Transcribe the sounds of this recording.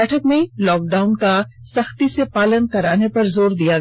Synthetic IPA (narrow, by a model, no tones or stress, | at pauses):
ɛːʈʰəkmẽlɔːk̚ɖaːʊnka | sɐxt̪isepaːlənkɐɾaːnepɐɾzoːɾd̪ijaɡ